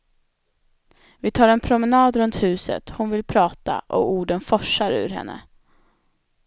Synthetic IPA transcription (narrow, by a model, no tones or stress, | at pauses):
vɪt̪ʰɑːɾɛnpʰɾʊmɛnɑːd̪ɾɵnt̪hʉ̟ːsə̰t̪hʊnvɪlpʰɾɑːt̪a̰ʔɔuːɖənfɔʂaɾʉ̟̰ːɾɦɛ̰nːə̰